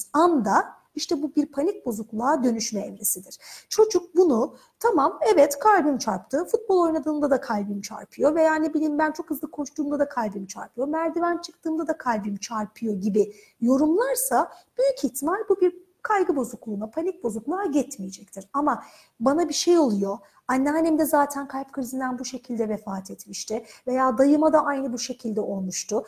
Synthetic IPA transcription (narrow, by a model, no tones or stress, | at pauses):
amd̪a | iʃt̪ʰɛbubiɾpʰanic̚bo̞zuklˠaːd̪ø̞nyʃmɛɛvɾesid̪ɪɾ̥t͡ʃʰo̞d͡ʒuk̚bunu | t̪ʰamamɛvɛt̪kʰalʲbɯmt͡ʃʰaɾpt̪ʰɯːfut̪̚bo̞lˠo̞jnad̪ɯːnd̪ad̪akʰalʲbɯmt͡ʃʰa̰ɾpʰɯjo̞ve̞jaːnebilʲiːmbænt͡ʃʰo̞khɯzˠɯkʰo̞ʃt̪ʰuːmd̪ad̪akʰalʲbɯmt͡ʃʰa̰ɾpʰɯjo̞mæɾd̪ivænt͡ʃʰɯk̚t̪ʰɯːmd̪ad̪akʰalʲbɯmt͡ʃʰaɾpʰɯjo̞ɟibi | jo̞ɾumlˠaɾsab̥yjycʰiçt̪ʰimalʲbubiɾ | kʰajɡɯbo̞zuklˠuːnapʰanic̚bo̞zuklˠaaɟɛt̪mijed͡ʒɛc̚t̪ʰiɾama | banabiʃe̞jo̞lˠujo̞ | anʲːaɦanimd̪ɛzaːt̪ʰænkʰalʲp̚kʰɯɾizind̪ænbuʃe̞cʰilʲd̪ɛvefaːt̪ʰet̪miʃt̪ʰɪve̞jaːd̪ajɯmad̪aʔajnɯbuʃe̞cʰilʲd̪ɛʔo̞lˠmuʃt̪ʊ